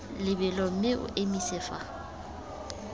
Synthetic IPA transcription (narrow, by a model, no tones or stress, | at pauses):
lɪbɪlɔm̩mɪʔʊ̰ʔemisɪːfa